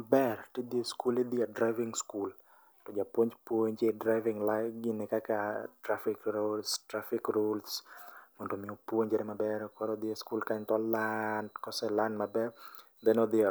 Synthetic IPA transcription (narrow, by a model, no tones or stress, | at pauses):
bɛrted̪ieskuled̪iadɾavɪŋskul | tɔd͡ʒapwoɲd͡ʒpwoɲd͡ʒedɾaɪvɪŋlajɡɪnɪkakatɾafɪkɾolstɾafɪkɾulsmɔndomɪopwoɲd͡ʒɛɾɛmabɛɾkɔɾɔd̪ieskulkaɲt̪ɔlandkɔsɛlandmabɛ | d̪ɛnɔd̪ia